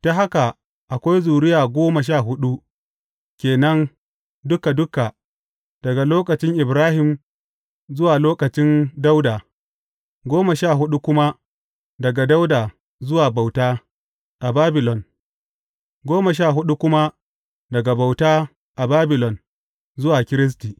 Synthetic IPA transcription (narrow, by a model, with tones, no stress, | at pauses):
ta˦ɦa˦ka˨ | ʔa˨kʷa˦jzuː˨ɽɪ˦jaː˨ɡʷoː˦ma˨ʃ̬aː˦˨ɦʊ˦ɗu˦ | kʲeː˨nɐ˦n | dʊ˦ka˨dʊ˦ka˨ | d̥ɐ˨ɡa˨loː˦kɐ˨t͡ʃɪ˦ŋʔɪ˨bɾaː˦hɪ˨m | zʊ˦waː˨loː˦kɐ˨t͡ʃɪ˦nda˦wda˨ | ɡʷoː˦mɐ˨ʃaː˦˨ɦʊ˦ɗu˦kʷʊ˦ma˦ | dɐ˨ɡa˨da˦wdaː˨ | zʊ˦waː˨ba˨wtaː˦ | ʔa˨baː˦bɪ˨lɔ˨n | ɡʷoː˦mɐ˨ʃ̬aː˦˨ɦʊ˦ɗu˦kʷʊ˦ma˦ | dɐ˨ɡa˨ba˨wtaː˦ | ʔa˨baː˦bɪ˨lɔ˨n | zʊ˦waː˨kʲɪ˦ɾɪ˦s̬tiː˨